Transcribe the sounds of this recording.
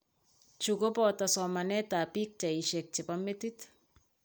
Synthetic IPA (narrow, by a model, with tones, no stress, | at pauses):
t͡ʃu˨ko˦pɔta˨sɔma˨nɛ˦ta˨pi˦k̚t͡ʃɛ˨i˨ʃɛ˨k̚t͡ʃɪ˨pame˦tit